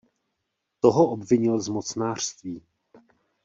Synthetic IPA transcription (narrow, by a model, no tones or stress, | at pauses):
t̪oɦoʔobvɪɲɪlzmot͡snaːr̥st̪viː